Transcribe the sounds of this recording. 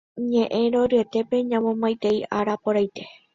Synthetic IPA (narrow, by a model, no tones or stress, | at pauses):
ɲẽʔẽ̞ɾoɾɨet̪e̞pe̞ɲãmõmãjt̪e̞iʔaɾapoɾajt̪e̞